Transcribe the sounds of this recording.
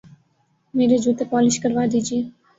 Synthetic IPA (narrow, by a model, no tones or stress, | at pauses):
meɾed͡ʒut̪epɔlɪʃkəɾʋad̪id͡ʒie